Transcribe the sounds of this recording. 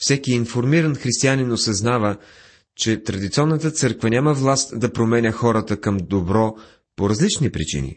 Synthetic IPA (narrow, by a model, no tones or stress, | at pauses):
fsɛkiːnfoɾmiɾənxɾist̪ianinosɐznavə | t͡ʃɛt̪ɾɐd̪it̪siɔnːət̪ət̪sɤɾkvənʲaməvlˠast̪d̪ɐpɾomɛnʲəxɔɾət̪əkɐmd̪obɾɔ | poɾɐzlit͡ʃnipɾḭt͡ʃḭnḭ